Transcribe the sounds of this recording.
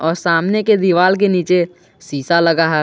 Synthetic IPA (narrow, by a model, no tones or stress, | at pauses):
ɔːɾsaːmneked̪iʋaːlk̬eniːt͡ʃe | siːsaləɡaɦɛ